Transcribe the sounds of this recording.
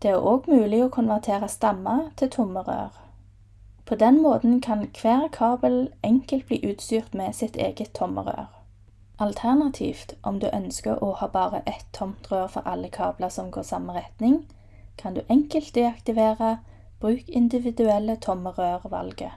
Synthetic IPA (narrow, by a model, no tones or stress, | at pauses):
d̪̥ɛːæʁoːɡmʉːlɪoːkʰʊnʋæʁt̪ʰeːʁɑst̪ɑmɑt̪ʰɪlt̪ʰʊməʁø̰ːʁ | pʰoːd̪ɛnmoːt̪n̩kʰɑnkʰʋæːʁkʰɑːbəlʔɛŋkəlt̪̚bliːʔʉːt̪st̪yːʁt̪mɛsɪt̪ʰḛːɡət̪ʰːɔmə̰ʁø̰ːʁ | ʔɑlt̪ʰæʁnɑt̪ʰḭːft̪ʔɔmd̪ʉːʔœnskəʁɔhɑːbɑːʁə̰ʔɛt̪ʰːɔmt̪ʁøːʁfɔ̰ʁʔɑlːəkʰɑ̰ːbləʁsɔmɡoːsɑməʁɛt̪nɪŋ | kʰɑnd̪ʉ̰ːʔɛŋkəlt̪̚d̪ɛɑkt̪ɪʋeːʁɑ | b̥ʁʉːkɪnd̪ɪʋɪd̪ʉɛlːət̪ʰɔməʁøːʁʋɑ̰lɡə̰